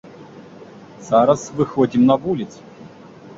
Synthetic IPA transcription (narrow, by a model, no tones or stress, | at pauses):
saɾɐsvɨxodʲimnɐvulʲɪt̪s